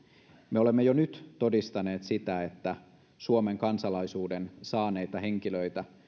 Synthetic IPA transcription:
meole̞mːejonyt̪t̪o̞dist̪ɑne̞ːt̪sit̪æet̪ːæ | suome̞ŋkɑnsɑlɑjsuːdensɑːne̞jt̪ɑhe̞ŋkiløjt̪æ

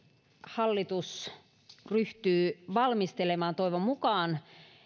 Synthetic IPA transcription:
hɑlːit̪us | ryht̪yːʋɑlmist̪elemɑːnt̪oiʋommukɑːn

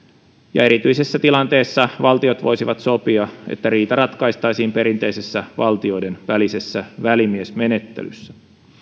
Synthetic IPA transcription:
jɑ̰eɾit̪yise̞sːæt̪ilɑnt̪eːsːɑʋɑlt̪io̞t̪ʋo̞̰jsiʋɑt̪so̞piɑḛt̪ːæriːt̪ɑɾɑt̪kɑist̪ɑjsiːmpeɾint̪e̞jse̞sːæʋɑlt̪io̞jde̞nʋælise̞sːæʋælimiesme̞ne̞t̪ːḛly̰sːæ̥

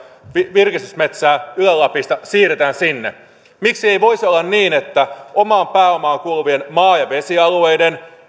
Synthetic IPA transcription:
iʋirkist̪ysmet̪sæːylælːɑpist̪ɑsiːret̪æːnsinːḛ | miksie̞jʋo̞isolːɑnniːne̞t̪ːæʔo̞mɑːmpæːo̞mɑːŋkuluʋienmɑːjɑʋe̞siɑlue̞jde̞n

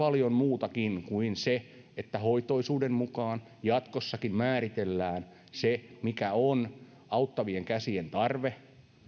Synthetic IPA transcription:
ɑljommuːt̪ɑkinkuinse | et̪ːæhoit̪oisuːdemmukɑːn | jɑt̪kosːɑkimmæːɾit̪elːæːn | semikæon | ɑut̪ːɑʋieŋkæsient̪ɑrʋe

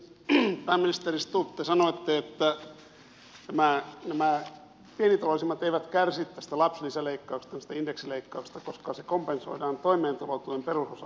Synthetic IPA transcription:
pæːminist̪erist̪ut̪ːesɑnoet̪ːeet̪ːæ | t̪æmænæmæ | pienit̪ɑloˑlisimːɑt̪eiʋæt̪kærsit̪t̪æst̪ælɑpslisæleikːɑukst̪ɑnist̪æindeksileikːɑukst̪ɑkoskɑsekompenso̰idɑːnt̪oimeːnt̪ɑlot̪ːuemperusosɑ

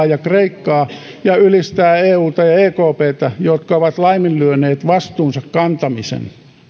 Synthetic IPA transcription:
jɑkreikːɑː | jɑylist̪æːeːuːt̪ɑjɑeːkoːpeːt̪ɑjot̪kɑoʋɑt̪lɑimillyøneːt̪ʋɑst̪uːnsɑkkɑnt̪ɑmisḛn

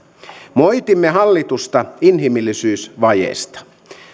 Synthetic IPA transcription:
mo̞jt̪imːeɦɑlːit̪ust̪ɑinɦimilːisyːsʋɑjḛːst̪ɑ̥

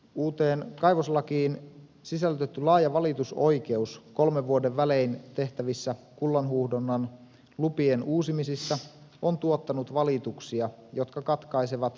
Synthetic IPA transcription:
uːt̪eːnkɑjʋoslɑkiːn | sisælyt̪et̪ːylɑːjɑʋɑlit̪uso̞jke̞usko̞lmeʋːuodeʋːæleint̪e̞ht̪æʋisːæ | kulːɑnɦuhdonːɑn | lupienuːsimisisːɑont̪uot̪ːɑnut̪ʋɑlit̪uksiɑjo̞t̪kɑkɑt̪kɑjseʋɑt̪

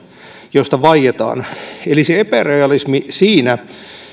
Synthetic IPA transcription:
jost̪ɑʋɑijet̪ɑ̰ːneliseepæreɑlismisiːnæ

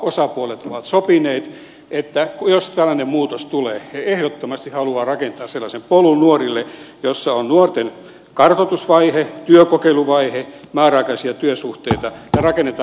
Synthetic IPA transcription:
osɑpuolet̪oʋɑt̪sopineːt̪ | ʔet̪ːækujost̪ælːænemmuːt̪ost̪uleːheehdot̪ːomɑst̪ihɑluɑːrɑkent̪ɑːsselːɑsempolunnuorilːejosːɑonnuort̪en | kɑrt̪ot̪usʋɑihet̪yøkokeiluʋɑihemɑːrɑkɑisiɑt̪yøsuht̪eˑit̪ɑjɑrɑkenːet̪

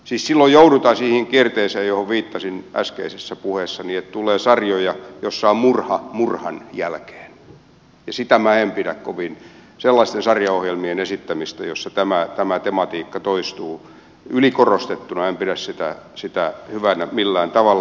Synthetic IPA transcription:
siːssilːojjouɾut̪ɑsiːhiŋkiert̪eiseːjjohoʋʋiːt̪ːɑsinʔæ̰skḛisesːæpuheːsːɑniett̪uleːsɑrjojɑjosːɑommurhɑmurhɑnjælke̥ːn | jɑsit̪æmæempiɾækkoʋin | selːɑist̪ensɑrjɑohjelmienesit̪ːæmist̪æ̰josːɑt̪æmæt̪æmæt̪emɑt̪iːkːɑt̪oist̪uː | ylikorost̪et̪ːunɑempiɾæssit̪æ̰sit̪æhyʋænæmilːæːnt̪ɑʋɑl

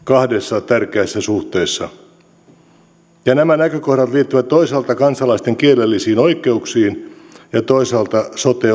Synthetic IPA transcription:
kɑhdesːɑt̪ærkeæsːæsuht̪eːsːɑ | jɑnæmænækøkohdɑt̪liːt̪ːyʋæt̪t̪ːoisɑlt̪ɑkɑnsɑlɑist̪eŋkielelːisiːnoikˑeuksiːnjɑt̪oisɑlt̪ɑsot̪e

